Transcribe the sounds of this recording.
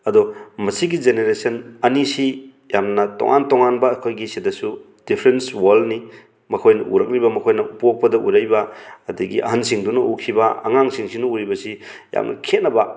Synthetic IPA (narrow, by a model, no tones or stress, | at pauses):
ɐdɔmɐsiɡid͡ʒeneɾesɐnɐnisi | jamnɐtɔ̰ŋʔa̰ntɔŋanbɐːkʰojɡisidɐsu | d̥ipʰɾenswaldni | mɐkʰojnɐʔuɾɐk̚ɾibɐmɐkʰojnɐupok̚pɐdɐʔuɾajbɐːdɐɡiɐ̰hansiŋdunɐukʰibɐɐ̰ŋaŋsiŋsinuuɾibɐsija̰mnɐ̰kʰet̚nɐbɐ